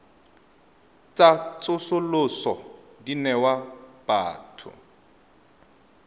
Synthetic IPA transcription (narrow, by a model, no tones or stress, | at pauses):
t͡sʼat͡sʼʊsʊlʊsɔ | dinɛwab̥a̰ːtʰʊ̰